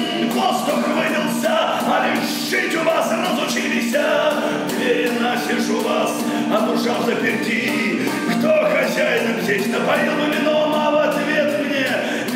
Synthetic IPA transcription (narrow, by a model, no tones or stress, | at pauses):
ɡlˠast̪opɨvɨnʲɪlˠsʲə | ɐlʲɪ | ʂ | ɨtʲʊvasɨnəzʊt͡ɕilʲɪsʲə | vʲeɾʲɪnasɪʂʊvas | ɐbɾʊʂalˠsʲɐpʲɪɾʲdʲi | kt̪oxɐzʲajɪt̪əvzʲet͡ʃnəpɐɾʲilˠɨmʲɪnomavɐt̪vʲet̪mnʲe